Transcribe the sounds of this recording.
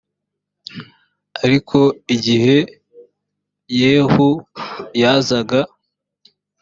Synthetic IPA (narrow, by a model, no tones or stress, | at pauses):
aɾikʰo̞iɟihe̞ | jeːhujazaɡa